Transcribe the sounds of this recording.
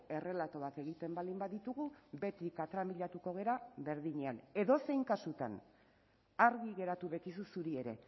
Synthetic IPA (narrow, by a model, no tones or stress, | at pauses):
e̞re̞lat̪o̞ake̞ɣ̞it̪e̞mbald̪imbaðit̪uɣube̞t̪ikat̪ɾamiʎat̪uko̞ɣ̞e̞ɾaβe̞ɾðiɲeane̞ðo̞se̞jŋkasut̪a̰n | aɾɣiɣe̞ɾat̪uβe̞kis̬usuɾie̞ɾe̞